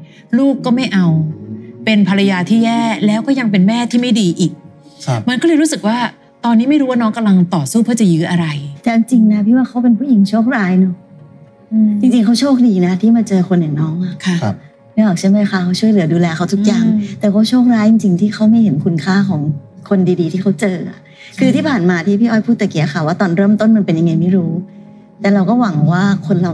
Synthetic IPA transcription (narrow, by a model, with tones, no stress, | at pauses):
luː˥˩kːɔː˥˩ma˥˩jʔa˧wpe˧npʰa˧ɾa˧jaː˧t̪ʰiː˥˩jɛː˥˩lɛː˦˥wkɔː˥˩ja˧ŋp̬e˧nmɛː˥˩t̪ʰiː˥˩ma˥˩jdiː˧ʔiː˨˩k̚ | ma˧nkɔː˥˩lɤː˧ɾu˦˥sɯ˨˩k̚waː˥˩ | t̪ɔː˧nːiː˦˥ma˥˩jɾuː˦˥waː˥˩nɔː˦˥ŋka˧mla˧ŋt̪ɔː˨˩suː˥˩pʰɯ˥˩t͡ɕa˨˩jɯː˦˥ʔa˧ɾa˧jt̪ɛː˨˩a˧ŋt͡ɕi˧ŋna˦˥pʰiː˥˩waː˥˩kʰa˦˥wp̬e˧npʰuː˥˩˨ji˨˩˦ŋt͡ɕʰoː˥˩k̚ɾaː˦˥jnɔ˦˥˩ | ʔɯ˧t͡ɕi˧ŋt͡ɕi˧ŋkʰa˦˥wt͡ɕʰoː˥˩k̚diː˧na˦˥t̪ʰiː˥˩maː˧t͡ɕɤː˧kʰo˧nːjaː˨˩ŋnɔː˦˥ŋʔa˨˩kʰa˧˩˧ | ma˥˩ʔɔː˨˩k̚t͡ɕʰa˥˩jma˦˥jkʰa˦˥˧t͡ɕʰu˥˩əjlɯ˨˩˦ɐduː˧lɛː˧kʰa˦˥wt̪ʰu˦˥k̚jaː˨˩ŋt̪ɛː˨˩kɔː˥˩t͡ɕʰoː˥˩k̚ɾaː˦˥jt͡ɕi˧ŋt͡ɕi˧ŋt̪ʰiː˥˩xʰa˧˦˥wma˥˩jɦe˩˦nkʰu˧nkʰaː˥˩kʰɔː˩˦ŋkʰo˧ndiː˧diː˧t̪ʰiː˥˩a˦˥wt͡ɕɤː˧ʔa̰˨˩ʔ | kʰɯː˧t̪ʰiː˥˩pʰaː˨˩nmaː˧t̪ʰiː˥˩pʰiː˥˩ʔɔː˧˩jpʰuː˥˩t̪ːɛ˨˩ki˨˩˦ɐ˦kʰa˨˧˩waː˥˩t̪ɔː˧nɾɤː˥˩˨mt̪o˥˩nma˧npe˧nja˧ŋːa˧jma˥˩jɾuː˦˥ | t̪ɛː˨˩ɾa˧wkɔː˥˩wa˨˩˦ŋwaː˥˩kʰo˧nla˨˩w